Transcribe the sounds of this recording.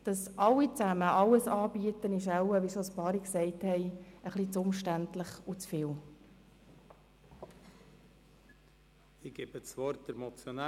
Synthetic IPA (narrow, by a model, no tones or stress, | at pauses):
d̥ɑsʔɑlːit͡sæməʔɑləsɑːbiətənɪʃ̬aʊwəʋisospɑːɾiksɛɪthɛɪəχlit͡sʊmʃtæntləχut͡sfɪːl | ɪɡ̥ebət͡svɔɾt̚d̥əɾmɔt͡sjona